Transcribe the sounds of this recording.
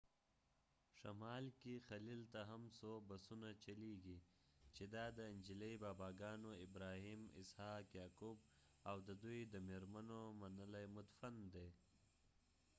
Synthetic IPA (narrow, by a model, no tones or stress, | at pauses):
ʂamɑːlkixalilt̪aɦamsobasunat͡ʃaliɡi | t͡ʃed̪ɑd̪əɪnd͡ʒilejbaːbɑɡɑːnoɪbɾahimɪ̰shɑːkjɑːkub | awd̪əd̪ujd̪əmeɾmanomanəlajmʊt̪fand̪e